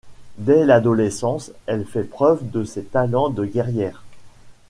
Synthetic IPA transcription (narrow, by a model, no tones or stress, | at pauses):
d̪ɛlad̪ɔlesɑ̃sɛlfɛpχœvd̪əsɛt̪alɑ̃d̪əɡɛʁjɛːʁ